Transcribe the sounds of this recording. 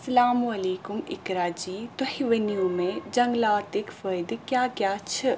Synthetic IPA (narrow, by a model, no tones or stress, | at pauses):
sɐlaːmɐleːkʊmɪ̰kɾaːd͡ʒiːt̪ʊhiʋɐnjũːmẽd͡ʒɐŋɡlaːt̪ɪkfəd̪kjaːkjaːt͡ʃʰɪ